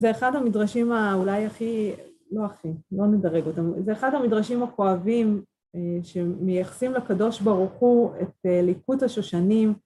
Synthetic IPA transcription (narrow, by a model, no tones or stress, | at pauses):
zeːχadamidʁaʃimaulajaχi | lo̞aχilo̞nedaʁe̞ɡo̞tamzeeχadhamidʁaʃimako̞avim | ʃe̞mejaχḁsimlekado̞ʃbaʁuχuḛtelikuthaʃoʃanim